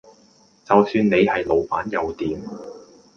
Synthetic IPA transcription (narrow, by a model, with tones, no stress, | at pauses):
t͡sɐ˨wsyː˧nne˨˧jhɐ˨jlo˨˩wpaː˨˥njɐ˨˧wt̪iː˨˥m